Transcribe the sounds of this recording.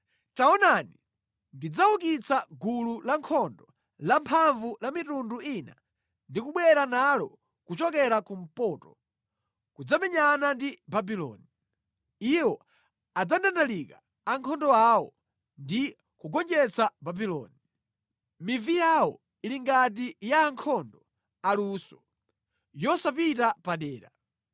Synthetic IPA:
taɔnani | ndid͡zaukit͡saɡululaŋkʰɔndɔ | lampʰaɱvulamitunduina̰ | ndikuɓwɛɾanalɔ | kut͡ʃɔkɛɾakum̩pɔːtɔ | kud͡zamɛɲanandibabilɔ̰ːni | iwɔ | ad͡zandandalikaː | ŋkʰɔndɔawɔ | ndi | kuɡɔnd͡ʒɛt͡sababilɔ̰ni | mivijawɔ̰ | iliŋɡat̬ijaːŋkʰɔndɔ | aluːsɔ̥ | jɔsapitapaɗɛːɾa

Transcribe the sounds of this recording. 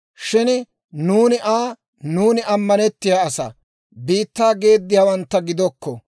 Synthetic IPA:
ʃɪn | nuːnɪʔaː | nuːnɪʔɐmːɐnɛt̪ːɪjaːɐsɐ̰ | biːt̪ːaːɡe̞ːd̪ːɪjaːwɐnt̪ːɐɡɪd̪ɔkːɔ

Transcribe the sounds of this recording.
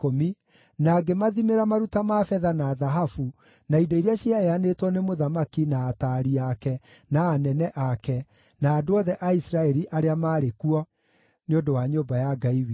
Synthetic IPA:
komi | naːɡemaðimeɾamaɾutamafɛðanaːðaɦafu | naidɔiɾeaɕiaeanetwɔnemoðamakinaːtaɾiakɛ | naːnɛnɛʔakɛ | naːdoɔðɛʔaisɾaɛɾiʔaɾeamaːɾekuɔ | neondowaɲoːbajaɡaiwi

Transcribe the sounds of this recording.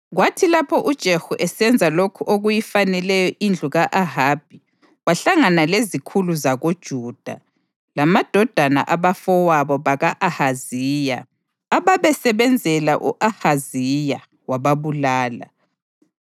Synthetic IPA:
ɣwatʰilapʰɔʔud̥ʒ̥ʱexuʔɛsɛnd͡zʱalokʰuʔoɣujifanɛlɛjɔʔind͡ɮʱuɣaʔaɦab̥̚ʱi | waɬaŋanalezikʰuluzaɣod̥ʒ̥ʱuːd̥ʱa̰ | lamad̥ʱɔd̥ʱana̰ʔaβafɔwaβɔβaɣaʔahaziːja̰ | aβaβɛsɛβɛnd͡zʱɛla̰ʔṵʔahazija | waβaβulaːla̰

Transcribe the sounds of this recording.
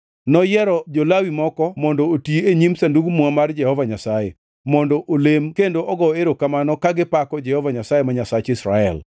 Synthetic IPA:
nɔjɛɾɔd͡ʒolawimɔkɔmɔndootiieɲimsanduɡmuamard͡ʒɛhɔvaɲasajḛ | mɔndɔʔolemkendoʔɔɡɔeɾokamanɔkaɡɪpakɔd͡ʒɛhɔvaɲasajemaɲasat͡ʃɪsɾaɛ̰l

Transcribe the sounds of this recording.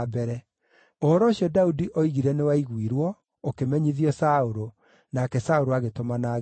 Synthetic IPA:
bɛɾɛ | oɾɔɕjɔdaudiʔoiɣiɾɛnewaiɣwiɾwɔ | okemɛɲiðiɔsaoɾo | nakɛsaoɾoaɣetomanaːɣ

